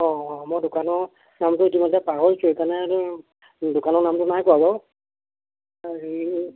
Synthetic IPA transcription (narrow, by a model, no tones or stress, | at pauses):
ɔ̃mɔjdʊkanɔɹ | namtʊitimɔtɛpaɦoɹsuekaɹnɛ | dʊkanɔɹnamtʊnajkɔabɔ | aɹi